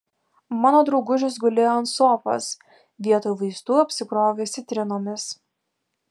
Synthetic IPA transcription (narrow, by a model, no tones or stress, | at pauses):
mɑːnoːd̪ɾɔʊɡʊʒʲʊsɡʊlʲejoːɐnsoːpɐ̰s | ʋʲiɛt̪oːjʋɐɪst̪uːɐpʲsʲɪkɾoːʋʲesʲɪt̪ʲɾʲɪnoːmʲɪs